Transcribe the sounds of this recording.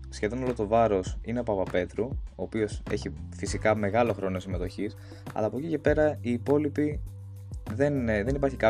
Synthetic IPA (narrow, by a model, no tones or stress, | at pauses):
sçe̞ðo̞no̞lot̪o̞vɐɾo̞sineopɐvɐpe̞t̪ɾuoːpio̞se̞̰çifisikɐme̞ɣɐlo̞xɾo̞no̞sime̞t̪o̞çis | ɐ̰lɐːpo̞cice̞pe̞ɾɐiːpo̞lipi | ðe̞nðe̞nipɐɾçikɐ